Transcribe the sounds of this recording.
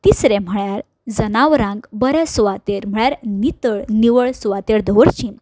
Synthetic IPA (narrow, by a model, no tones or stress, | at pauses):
t̪isɾɛ̃m̤əɭjaɾ | d͡zənaʋɾãŋɡbəɾɛsʋat̪eɾm̤əɭjaɾnit̪əɭniʋəɭsʋat̪eɾd̪ʱəʋəɾt͡ɕĩm